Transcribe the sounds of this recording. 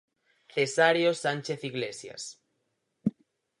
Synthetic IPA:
θesaɾjosanʲt͡ʃeθiɣlesja̰s

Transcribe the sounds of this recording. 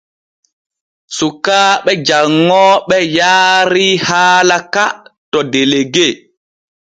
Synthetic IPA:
sukaːɓɛd͡ʒaŋːɔɓɛjaːɾihaːlakatɔdeleɡe

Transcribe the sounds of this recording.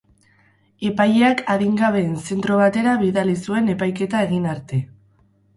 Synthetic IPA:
epajeakaðiŋɡaβe̞ːnse̞nt̪ɾo̞β̞at̪e̞ɾaβiðalisue̞ne̞pajke̞t̪ae̞ɣinaɾt̪e̞

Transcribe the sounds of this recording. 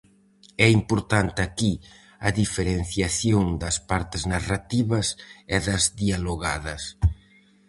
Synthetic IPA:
ɛimpoɾt̪ant̪ɪaki | ɐðifeɾen̟θjaθjoŋd̪ɐspaɾt̪ɪznarat̪iβɐseðɐzðialoɣaðɐs

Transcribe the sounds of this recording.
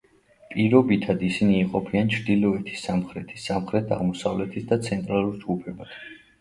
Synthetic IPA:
pʼiɾɔbit̪ʰad̪isiniːqʼɔpʰiant͡ʃʰɾd̪ilɔɛt̪ʰi̥sːamχɾɛt̪ʰi̥sːamχɾɛt̪ʰa̰ʁmɔsavlɛt̪ʰisd̪at̪sʰɛnt̪ʼɾalˠuɾd͡ʒɡupʰɛbas

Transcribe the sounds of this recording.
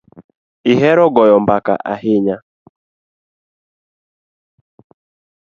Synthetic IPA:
iɦɛɾɔɡɔjɔm̩baka̰ʔa̰ɦɪɲa

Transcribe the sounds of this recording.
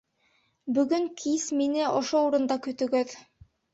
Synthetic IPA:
bɵ̆ɡɵŋkʰisminɘʔŏʃouɾɤ̆nd̪ɑkɵ̆t̪ɵ̆ɡɵð

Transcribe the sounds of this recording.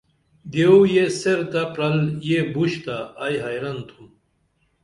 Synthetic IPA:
d̪ewjeseɾt̪apɾɐljebuɕt̪aːjɦajɾɐnt̪ʰum

